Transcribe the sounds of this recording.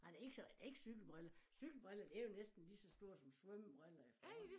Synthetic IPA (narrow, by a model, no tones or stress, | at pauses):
ɑd̥ee̝ɡ̥sɒd̥ee̝ɡ̥əsyɡ̥l̩b̥ʁelɐsyɡ̥l̩b̥ʁɛlɐd̥e̝ɐjo̝nesd̥n̩lisɒ̽sd̥o̝ɐ̰̥sɒ̽msʋœmb̥ʁalɐefd̥